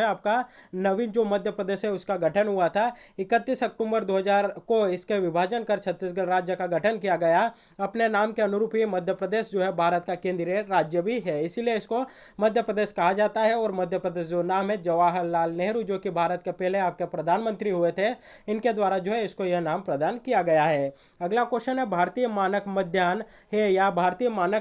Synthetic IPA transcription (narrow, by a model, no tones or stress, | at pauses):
ɛaːp̚kanɐʋɪnd͡ʒoːmɐd̪ʱjəpɾəd̪eːʃɦɛʊskaɡʱɐʈʰənɦʊat̪ʰaɪkət̪ːiːsɐk̚ʈũːmbəɾd̪oːɦəzaːɾkoɪskeʋɪbʱaːd͡ʒənkɐɾt͡ʃʰɐt̪ːiːsɡɐɾaːd͡ʒjəkaɡʱɐʈʰənkijaɡɐja | ɐpnenaːmkeɐnʊɾuːpɦimɐd̪ʱjəpɾəd̪eːʃd͡ʒoːɦɛbʱaːɾət̪kakẽːnd̪ɾəɾaːd͡ʒjəbʱiɦɛːɪsilieɪsko | mɐd̪ʱjəpɾəd̪eːʃkɐɦad͡ʒaːt̪aɦɛɔːɾmɐd̪ʱjəpɾəd̪eːʃd͡ʒonaːmɦɛ̃d͡ʒɐʋaːɦəlːaːlneɦɾud͡ʒoːkibʱaːɾət̪̚kepɛɦleaːp̚kepɾɐd̪ʱaːnmə̃nt̪ɾiɦʊet̪ʰe | ɪnked̪waːɾad͡ʒoːɦɛɪskojenaːmpɾɐd̪aːnkijaɡɐjaɦɛː | ɐɡlakoːʃənɦɛbʱaːɾt̪ijəmaːnəkmɐd̪ʱjaːn | ɦejabʱaːɾt̪iːjmaːnək